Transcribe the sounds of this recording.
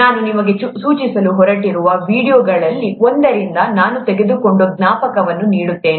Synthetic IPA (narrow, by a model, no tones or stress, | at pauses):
naːnunimɐɡe̞suːt͡ʃisɐluɦɔɾɐʈiɾuʋɐʋiːɽijoːɡɐɭɐlːiond̪ɐɾind̪ɐnaːnut̪eɡe̞d̪uko̞ɳɖoɡnaːpɐkɐʋɐnːuniːɽut̪ːe̞ːni